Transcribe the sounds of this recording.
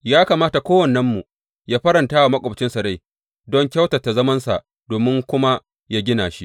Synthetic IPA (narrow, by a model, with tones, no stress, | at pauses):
jaː˦kaː˨maː˦ta˨kʷoː˦wɐ˨nːɐ˦mːu˨ | jaː˦ɸɐ˦ɾɐ˨ntaː˦wa˨mɐ˦kʷʼoː˨bt͡ʃɪ˦nsɐ˨ɾa˦j | dɔ˦ŋkʲa˦wtɐ˨tːa˨zɐ˦mɐ˦nsa̰˨ʔ | doː˨mɪ˦ŋkʷʊ˦ma˦ | ja˦ɡʲɪ˦naː˨ʃi˦ʔ